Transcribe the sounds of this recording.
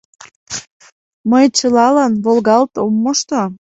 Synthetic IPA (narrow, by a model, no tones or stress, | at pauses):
məjt͡ɕəlɑlɑnβolɣɑlt̪omːoʃt̪o